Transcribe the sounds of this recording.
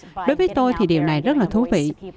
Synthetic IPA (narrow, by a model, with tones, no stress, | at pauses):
ɗo˨˦jvəː˨˦jt̪o˧jt̪ʰi˨˩ɗi˨˩əwna˨˩jzə˦˥t̚laː˨˩t̪ʰu˨˦vḭ˧˨